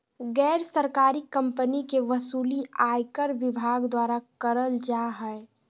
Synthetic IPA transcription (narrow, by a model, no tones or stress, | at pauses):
ɡɛːɾsəɾkaːɾikə̃mpənikeʋəsuːliʔaːjkəɾʋɪbʱaːɡd̪waːɾakəɾəld͡ʒaɦɛɛ